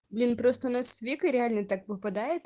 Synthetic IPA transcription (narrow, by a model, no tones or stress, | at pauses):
blʲinpɾɔst̪ɔnɐsʲʋʲikʊiɾʲealʲnɛt̪akpɔpɐd̪ɑjet̪